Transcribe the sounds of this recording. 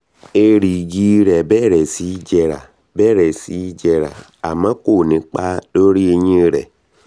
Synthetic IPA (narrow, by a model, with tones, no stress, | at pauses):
e˧ɾi˨ɡi˦˧˦ɾɛ˨bɛ˦˨ɾɛ˨si˨˦d͡ʒɛ˧ɾa̰˨ | bɛ˦˨ɾɛ˨si˨˦d͡ʒɛ˧ɾa̰˨ | a˨mã˨˦ko˦˨nĩ˨˦k͡pa˦do˦ɾi˦e˧ɲĩ˦˧ɾɛ̰˨